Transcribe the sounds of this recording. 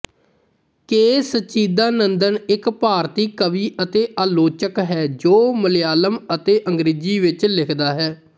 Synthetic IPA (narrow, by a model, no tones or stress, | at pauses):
keːsətːt͡ʃiːd̪aːnənd̪ənɪkpaːɾt̪iːkəʋiːʔət̪eːʔaːloːt͡ʃəkɦɛːd͡ʒoːməleaːləmət̪eːʔəŋɡɾeːd͡ʒiːʋɪt͡ʃlɪkʰd̪aːɦɛː